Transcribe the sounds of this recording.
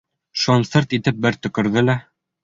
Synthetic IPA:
ʃont̪seɾt̪it̪ɘp̚bɘɾt̪ɵ̆kɘ̆ɾðɘlæ

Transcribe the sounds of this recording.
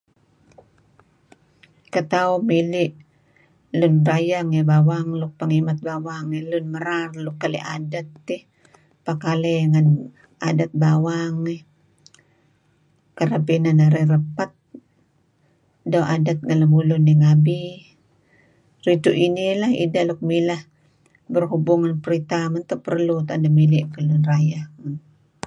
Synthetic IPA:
kət̪aumiliʔ | lʊnbɾajaŋabawaŋluk̚pəŋimat̪̚bawaŋɛlʊnməɾarlukːalḭʔadat̪ːi | pakaleŋan | adat̪̚bawaŋɛ | kəɾapinanaɾirəpat̪̚ | dawʔadat̪̚ŋanlamulʊnːiŋabi | rit̪uʔinilahḭdalok̚milah | bərɦubuŋanpəɾit̪amant̪oʔpərlut̪andamiliʔkalʊnrajahman

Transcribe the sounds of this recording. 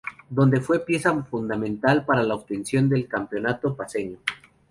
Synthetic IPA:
d̪o̞nd̪e̞fwe̞pje̞safund̪amẽnt̪alpaɾalaoβ̚t̪e̞nsjo̞nd̪e̞lkampjo̞nat̪opase̞ɲo

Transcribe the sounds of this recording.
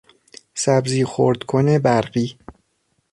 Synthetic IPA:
sæbziːxo̰ɾd̪̥kʰonebæɾɢiː

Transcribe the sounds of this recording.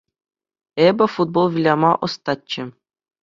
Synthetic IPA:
ebʲɘ̆fud̪̚bolˠʋʲilʲɑmɑʔɤ̆st̪ɑt͡ɕːɘ̆

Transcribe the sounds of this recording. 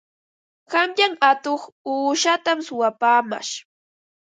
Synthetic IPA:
ɢamʎaŋat̪oχuːʃat̪amsʊwapaːma̰ʃ

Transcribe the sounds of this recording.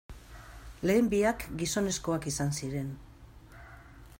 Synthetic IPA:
le̞ːmbiakɡiso̞ne̞sko̞akisansiɾe̞n

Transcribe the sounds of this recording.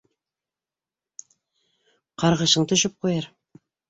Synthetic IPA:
qʰɑɾʁə̆ʃɤɴt̪ɵʃɪp̚qʰojɑɾ

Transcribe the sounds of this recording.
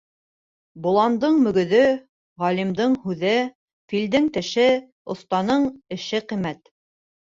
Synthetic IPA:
bŭlˠɑnd̪ɤɴmɵ̆ɡɵ̆ðɘ | ʁɑlʲimd̪ɤɴhʉðɘ | fild̪ɘŋt̪ɘ̆ʃɘ | ŏθt̪ɑnɤɴɘ̆ʃɘqimæt̪

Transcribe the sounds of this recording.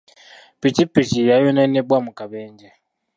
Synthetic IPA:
pit͡ʃipit͡ʃijajɔnɛnɛbwamukʼabɛːnd͡ʒɛ

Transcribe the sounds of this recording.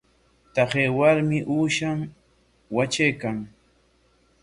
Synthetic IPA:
t̪aχeːwaɾmɪʔuːʃam | wat͡ʃejkaŋ

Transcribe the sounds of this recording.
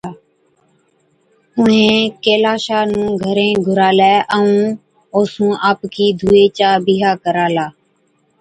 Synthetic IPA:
ʊɦẽːkeːlaːʃaːnũːɡʱəɾẽːɡʱʊɾaːlɛːʔəũː | oːsũːʔaːpkiːd̪ʱuːeːt͡ʃaːbiːɦaːkəɾaːlaː

